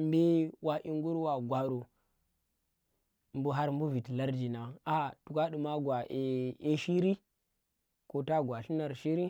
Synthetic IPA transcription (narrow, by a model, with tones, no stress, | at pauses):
mbe˦wa˨ʔi˦ŋɡu˦ɾwa˨ɡwa˨ɾu˨ | mbu˦ɦa˦ɾmbu˦vi˨tla˦ɾd͡ʒi˨na˨a˨tu˨ka˦ɗu˨ma˦ɡwa˨e˨e˦ʃi˦ɾi˦ | ko˦ta˦ɡwa˨ɬi˦na˨ɾʃi˦ɾi˦